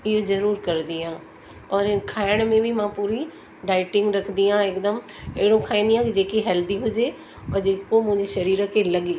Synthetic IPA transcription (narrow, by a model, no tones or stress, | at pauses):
ɪɦozɐɾuːɾkɐɾd̪iɦãː | ɔːɾkʰaːɪɽ̃mẽbʱimãpuːɾi | ɖaːɪʈɪ̃ŋɡɾɐkʰnd̪iãɪkd̪əmɪɦɪɽõkʰaːĩːn̆d̪ijãkid͡ʑeːkiɦɛːld̪iɦʊd͡ʑe | ɔːɾd͡ʑeːkomʊ̃ɦɪ̃ɲd͡ʑeʃɐɾiːɾəkʰelɐɠiː